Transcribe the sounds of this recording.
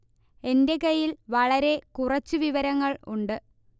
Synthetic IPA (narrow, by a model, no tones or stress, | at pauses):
e̞nde̞kɐjilʋɐɭɐɾe̞kurɐt͡ɕːuʋiʋɐɾɐŋːɐɭuɳɖɨ